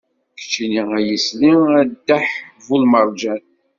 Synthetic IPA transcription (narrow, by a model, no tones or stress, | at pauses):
kə̥t͡ʃːiniæjəsliæd̪ːaħvulməɾˤd͡ʒæn